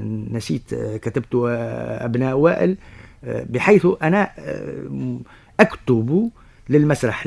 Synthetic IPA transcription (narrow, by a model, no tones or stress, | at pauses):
næsḭːt̪kæt̪ɪb̚t̪ʊʔæ̰bnæːʔwæːʔɪl | bɪħajθʔænæ | ʔækt̪ʊbu | lɪlmæsɾˤɑħ